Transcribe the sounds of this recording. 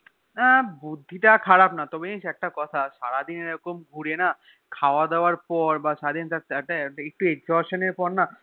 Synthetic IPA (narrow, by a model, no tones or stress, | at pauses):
abud̪ʱːiʈakʰaɽabnat̪ɔbeĩʃɛk̚ʈakɔt̪ʰaʃaɾad̪ineɾɔkomɡʱuɽena | kʰaoad̪ɛoaɾpɔɾbaʃaɾad̪int̪at̪ɛk̚ʈaek̚ʈueɡzɔɾʃoneɾpɔɾna